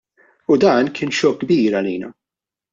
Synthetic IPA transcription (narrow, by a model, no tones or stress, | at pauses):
ʊd̪ɐːnkʰɪːnʃɔk̚ɡbiːɾɐliːnɐ